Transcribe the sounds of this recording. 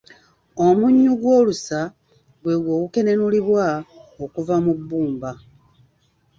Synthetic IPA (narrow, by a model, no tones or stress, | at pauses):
o̞muɲːuɡwo̞ːlusa | ɡwe̞ɡwo̞ːkuke̞ne̞nuliβwaokuvamubːuːmba